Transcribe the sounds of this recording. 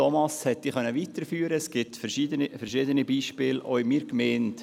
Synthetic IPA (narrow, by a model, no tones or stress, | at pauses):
ɔmɑshɛtːiːχœnːəʋit̪əɾfyːɾəsɡ̥ɪtfɛʃidənifəɾʃɪdənibiːʃpɪːlʔɔʏmiːɾkmeːnt